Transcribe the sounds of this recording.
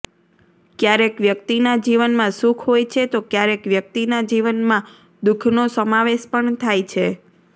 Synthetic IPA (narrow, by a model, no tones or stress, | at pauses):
kjaɾekʋjəkt̪inad͡ʒiʋənmãsũkʰɦojt͡ʃʰet̪okjaɾekʋjək̚t̪inad͡ʒiʋənmã | d̪ukʰnosəmaʋeʃpəɳt̪ʰajt͡ʃʰe